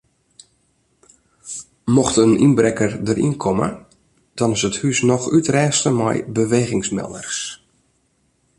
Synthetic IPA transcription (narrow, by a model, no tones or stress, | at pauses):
mɔxtənʔinbrɛkərdərʔḭnkʰɔmə̰ | d̥ɔnɪsəthysnɔxytrɛːstəmɛ̰jbəʋeːɣɪŋsmɛ̰lˠə̰rs